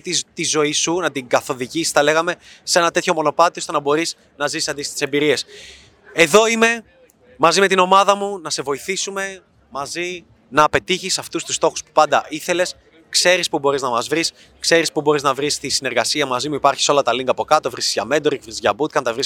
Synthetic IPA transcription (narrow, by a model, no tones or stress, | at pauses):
tt̪izo̞isunɐt̪iŋɡɐθo̞ðiʝisi̥st̪ɐle̞ɣɐme̞se̞nɐt̪e̞t̪ço̞mo̞no̞pɐt̪iosenɐbo̞ɾis | nɐzissɐnd̪ist̪i̥se̞mbiɾie̞s | e̞ðo̞ime̞ | mɐzime̞t̪ino̞mɐðɐmunɐse̞vo̞iθisume̞ | mɐzi | nɐpe̞t̪içisːɐft̪ust̪u̥st̪o̞xu̥spu̥pɐnd̪ɐiθe̞le̞s | kse̞ɾispubo̞ɾiznɐmɐzvɾis | kse̞ɾispubo̞ɾiznɐvɾist̪isine̞ɾɣɐsiɐmɐzimuipɐɾçi̥so̞lɐt̪ɐliŋɡɐpo̞kɐt̪o̞vɾisizʝɐme̞nd̪oɾikvɾizʝɐbut̪kɐnt̪ɐvɾis